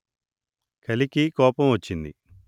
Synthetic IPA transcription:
kɐlikikoːpɐmʋɐt͡ʃːind̪ḭ

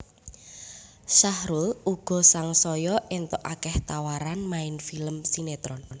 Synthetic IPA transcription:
ʃahɾuluɡ̥ɔ̤saŋsɔjɔʔent̪ɔʔakɛht̪awaɾanmaɪnfiləmsinet̪ɾɔn

